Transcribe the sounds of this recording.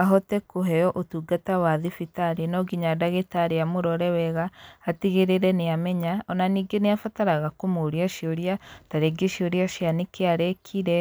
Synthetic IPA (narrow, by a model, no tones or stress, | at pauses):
aɦɔtɛkoɦɛjɔʔotuɡatawaðifitaɾenɔɡiɲadaɣetaɾeamoɾɔɾɛwɛɣaːtiɣeɾeɾɛneamɛɲaɔnaniːɡeneafataɾaɣakomoɾiaʃioɾjataɾeɡeʃioɾjaʃjanekeaɾɛkʰiɾɛ